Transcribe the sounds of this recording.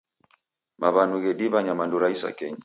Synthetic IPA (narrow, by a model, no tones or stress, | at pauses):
mʔaβanuɣɛɗiβaɲamanduɾaisa̰kɛɲa